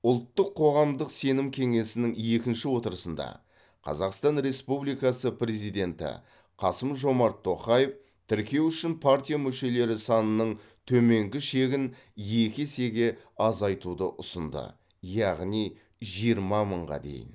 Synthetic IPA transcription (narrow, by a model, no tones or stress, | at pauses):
ʊlˠt̪ːəqʰːo̞ʁɑmd̪əqse̞nɪmkʲʰe̞ŋe̞sɪnɪŋe̞kʲɪnʃɪwo̞t̪əɾəsənd̪ɑ̰ | qʰɑ̰zɑqst̪ɑnɾe̞spublijkɑsəpɾe̞zijd̪e̞nt̪ɪ̰ | qʰɑsəmʒo̞mɑɾt̪ʰːo̞qɑjəf | t̪ʰɪɾkʲe̞wʏʃɪnpʰart̪ʲijamʏʃe̞le̞ɾɪsɑnənəɴ | t̪ʰɵme̞ŋɡʲɪʃe̞ɡʲɪn | je̞kʲɪse̞ɡʲe̞ | ɑzɑjt̪ud̪əʔʊsənd̪ə̰ | jɑʁnij | ʒijəɾmɑməɴʁɑ̰d̪e̞̰jɪ̰n